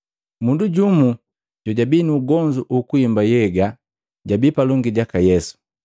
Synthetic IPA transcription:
munduɟumu | ɟɔɟabiːnuːɡɔɲd͡ʒuʔukuimbajɛɡa | ɟabipalɔŋɡiɟakajɛsu̥

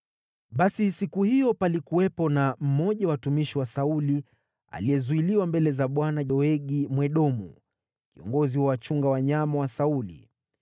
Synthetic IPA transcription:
ɓasisikuhijɔpalikuwɛpɔnam̩mɔʄawatumiʃiwasauli | a̰lijɛzuiliwambɛlɛzaɓwanaʄɔɛɠimwɛɗɔmu | kiɔ̰ŋɡɔziwawat͡ʃuŋɡawaɲamawasaulḭ

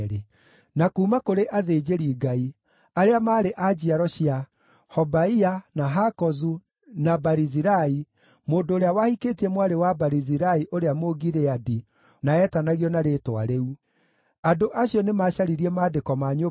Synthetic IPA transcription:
ɾe | nakuːmakoɾeʔaðeːd͡ʑeɾiːɡai | aɾeamaːɾeʔad͡ʑiaɾɔɕia | hɔbaianaɦakɔzu | nabaɾiziɾai | moːndoːɾeawahikeːtiɛmwaɾewabaɾiziɾaiʔoɾeamoɡiɾeadi | naɛtanaɣiɔnaɾetwa̰ɾeu | andoʔaɕiɔnemaɕaɾiɾiɛmaːdekɔmaɲo

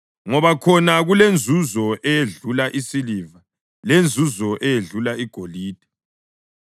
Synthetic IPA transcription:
ŋɔβakʰɔnaɣulend͡zʱuzɔʔɛjeɮulaʔisiliva | lend͡zʱuzɔʔɛjeɮulaiɡ̥ʱoliːd̥ʱɛ̥

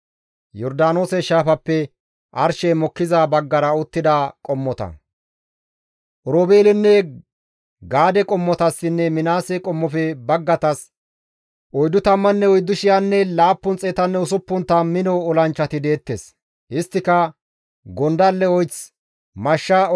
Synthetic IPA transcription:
jɔɾd̪aːno̞ːsɛʃaːfɐpːɛ | ʔɐɾʃɛjmɔkːɪzabɐɡːɐɾɐʊt̪ːɪd̪akʼɔmːɔt̪ɐ̰ | ʔɔɾoːbeːlɪnːɛ | ɡaːd̪ɛkʼɔmːɔt̪ɐsːɪnːɛmɪnaːsɛkʼɔmːɔfɛbɐɡːɐt̪ɐs | ʔɔjd̪ʊt̪ɐmːɐnːɛɔjd̪ːʊʃɪjanːɛlaːpːʊnt͡sʼeːt̪ɐnːɛʊsʊpːʊnt̪ːɐmɪnɔɔlɐnt͡ʃːɐt̪ɪd̪e̞ːt̪ːes | ɪst̪ːɪkɐ | ɡɔnd̪ɐlːɛɔjt͡s | mɐʃːa

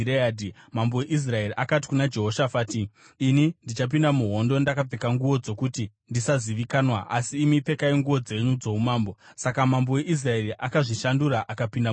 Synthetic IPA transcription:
ɾeaːdimambo̞weʔis̬rae̞riʔakati̥kunad͡ʒe̞ɦo̞ʃafaːtiː | nindit͡ʃap̬indamuɦo̞ndo̞ndakap͡fekaŋɡuʋo̞d͡zo̞kuti | ndisaziʋikaːnwaʔasiːmipe̞kaiŋɡuʋo̞d͡ze̞ɲud͡zo̞umaːmbo̞sakamambo̞we̞ʔis̬rae̞riʔakaʐiʃanduɾaʔakapinda

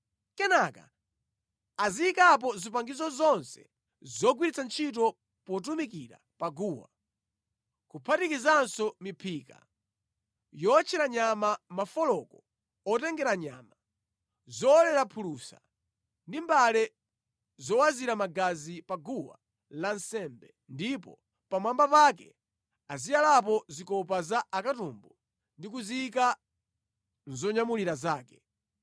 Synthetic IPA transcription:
kɛnaka̰ | aziːkap̬ɔzipaŋɡizɔzɔnsɛ̰ | zɔɡwiɾit͡sant͡ʃʰit̬ɔ | pɔt̬umikiɾa̰paɡuːwa̰ | kupʰatikizansɔmipʰiːka̰ | jɔt͡ʃʰɛɾaɲamamafɔlɔkɔ̥ | ɔtɛŋɡɛɾaɲa̰ːma | zɔːlɛɾapʰulusa̰ | ndimbalɛ | zɔwaziɾamaɡazipaɡuwa̰ | lansɛmbɛ | ndipɔ̰ | pamwambapakɛ̰ | azijalap̬ɔzikɔp̬azaʔakatumbu | ndik̬uziːka | n̩zɔɲamuliɾazaːkɛ̥

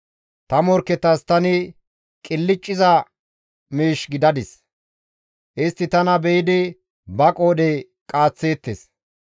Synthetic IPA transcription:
t̪ɐmɔɾkːɛt̪ːɐst̪ɐnɪ | kʼɪlːɪt͡ʃʼːɪzɐ | meːʃɡɪd̪ɐd̪ɪs | ʔɪst̪ːɪt̪ɐnɐbɛjɪd̪ɪ | bɐkʼoːd̪ɛj | kʼaːt͡sːe̞ːt̪ːes

